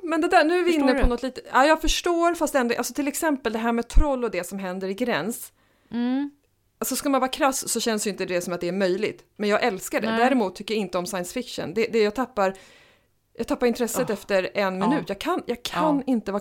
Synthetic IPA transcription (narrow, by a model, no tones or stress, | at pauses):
mɛnd̪ɛd̪ænʉ̟ːvɪɪnnːəpʰɔnɔt̪liːt̪əaːjɑːɡfœʂʈoːɾfast̪ɛnd̪ɔʔa̰lsɔt̪ʰɪlɛksɛmpəld̪ɛɦæːɾmɛːt̪ʰɾɔlːɔd̪ɛsɔmɦɛnd̪əɾɪɡɾɛns | alsɔskalmanvɑːɾakʰɾassɔɕɛnsd̪jʏnt̪əd̪ɛsɔmat̪d̪ɛæɾmœjlɪɡt̪mɛnjɑːɡʔɛlskaɖɛ̰d̪æːɾɪmuːt̪ʰːʏkːjaɪnt̪əɔmsajənsfɪkʂə̰nd̪ɛd̪ɛjɑːɡ̚t̪ʰapːaɾ | jɑːɡt̪ʰapːaɾɪnt̪ʰɾɛsːət̪ɛft̪əɾɛnmɪnʉ̟ːt̪jɑːɡkʰanjɑːɡkʰanːɪnt̪əvɑː